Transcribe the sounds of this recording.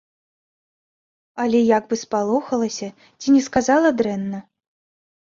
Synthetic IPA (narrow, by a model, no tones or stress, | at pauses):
alʲɛjaɡbɨspalˠɔxɐlˠɐsʲɐ | t͡sʲinʲɛskazalˠɐd̪ɾɛnːɐ